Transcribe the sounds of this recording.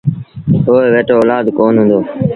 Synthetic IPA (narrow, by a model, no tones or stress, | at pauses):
ɦoːeʋeːʈoːoːlaːd̪koːnɦʊ̃ːnd̪oː